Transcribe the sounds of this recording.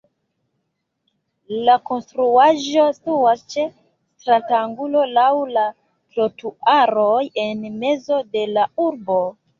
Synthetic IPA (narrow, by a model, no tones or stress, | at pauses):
lako̞nstɾuaʒo̞stuwast͡ʃe | stɾataŋɡulo̞lawla | klo̞tuaɾoje̞nme̞zo̞de̞lauɾbo̞